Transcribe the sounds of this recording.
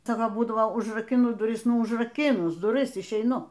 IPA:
ˈt͡sʲɛ ˈʋɐ ˈbuːdɐʋoː ʊʒrɐkʲɪˈnʊ dʊˈrʲɪs ʊʒrɐˈkʲɪnʊs dʊˈrʲɪs ɪʃʲɛɪˈnʊ

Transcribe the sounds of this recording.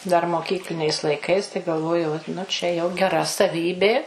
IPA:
dɐr moːˈkʲiːklʲɪnʲɛɪs lˠɐɪˈkɐɪs tɐɪ ɡɐlˠˈʋoːjɛʊ oːt nʊ ˈt͡ʃʲɛ jɛʊ ɡʲɛˈrɐ sɐˈʋʲiːbʲeː

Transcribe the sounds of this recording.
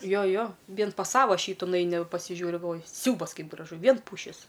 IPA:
ˈjoː ˈjoː ˈʋʲiɛn pɐs ˈsɑːʋɐ ˈʃʲiːtʊ nʊˈɛɪnʲɪ ʋɐ pɐsʲɪˈʒʲuːrʲɪ ɡɐlˠˈʋoːjɪ ˈsʲɛʊbɐs ˈkɐɪp ɡrɐˈʒʊ ˈʋʲiɛn ˈpuːʃʲɪs

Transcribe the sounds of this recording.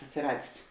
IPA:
ɐtʲsʲɪˈrɑːdʲeːs

